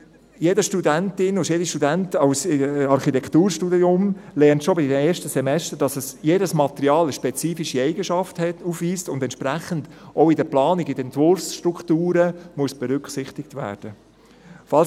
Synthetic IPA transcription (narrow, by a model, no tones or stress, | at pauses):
jedəʃtudæntɪnʊjediʃtudæntɑwsɑɾχitɛkt̪uːɾʃtudiʊmlɛɾntʃobideːɾʃtəsɛmɛstəɾd̥ɑsəsjeːdəsmɑt̪əɾiɑːləʃpɛt͡siːfiʃiɛɪɡəʃɑfthɛtufʋiːstʊnd̪ɛnt͡ʃpɾæχənd̥oʊɪdəplɑːniɡɪdɛntvʊɾfsʃtɾukχt̪uːɾəmuəsb̥ɛɾʏkχsɪχt̪ɪk̚t̪væ̰ːd̥ə | fɑls